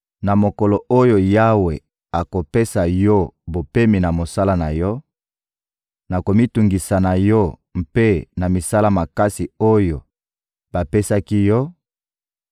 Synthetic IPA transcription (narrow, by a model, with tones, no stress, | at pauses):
na˨mo˨ko˨lo˨ʔo˦jo˨ja˦we˨ | a˨ko˨pe˦sa˨jɔ˦bo˨pe˦mi˨na˨mo˨sa˦la˦na˨jɔ˦ | na˨ko˨mi˦tu˨ŋɡi˨sa˨na˨jɔ˦m̩˦pe˦na˨mi˨sa˦la˦ma˨ka˦si˨o˦jo˨ | b̥a˨pe˦sa˦ki˦jɔ˦